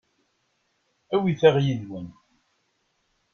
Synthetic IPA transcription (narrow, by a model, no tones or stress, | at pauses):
æwiθæʁjiðwən